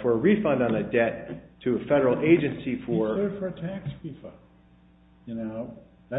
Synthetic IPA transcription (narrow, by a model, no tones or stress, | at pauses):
fə˞əɹifʌ̃ndɑ̃nɨdɛtʰɨɨfɛɾə˞l̩ˠeɪd͡ʒɨ̃nsifə˞fə˞ɨtʰæksɹifʌ̃nd | jɨnoʊ | ðæ